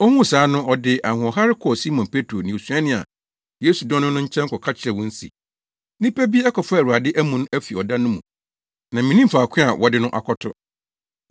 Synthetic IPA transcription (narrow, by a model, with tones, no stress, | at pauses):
ɔ˦hũ˦˨saː˨˦nʊ̃˦ʔɔ˨dɪ˦ʔa˨hʊ̃˨ɔ˨ɦa˦ɾɪ˦kʰɔ˨si˦mɔ̃˨npʰe˦tʰɾo˨nɪ̃˨su˨˦a˦nɪ̃˦˨a̰˨ | je˦su˨dɔ̃˦nʊ̃˦nʊ̃˦ɲ̩˦t͡ɕʰɛ̃˦ŋ̩˦kʰɔ˨kʰa˦t͡ɕʰɪ˨ɾɛ˨wɔ̃˦n̩˦sḭ˨ | nĩ˦pʰæ˦bi˦ɛ˦kʰɔ˨fɾu˨a˨dɪ˦ʔæ˦mũ˨nʊ̃˦æ˦fi˨ɔ˨dã˦nʊ̃˦mũ˨ | nã˨mĩ˨nĩ˦m̩˨fa˨kʷʰɪ̃˦a˨wʔɔ˨dɪ˦nʊ̃˦ʔa̰˨kʰɔ˦tʰʊ̰˦